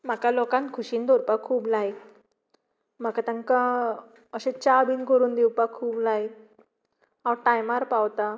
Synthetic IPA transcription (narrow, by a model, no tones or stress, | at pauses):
m̤akalɔkãnt̪kʰuɕiːnd̪ɔɾpakʰuːblaj | m̤akat̪ãŋka | əɕẽt͡ɕabiːnkəɾuːnd̪ewpakʰuːblaj | awʈajmaɾpawt̪a